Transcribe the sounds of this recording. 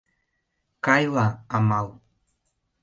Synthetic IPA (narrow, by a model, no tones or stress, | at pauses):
kajlaamal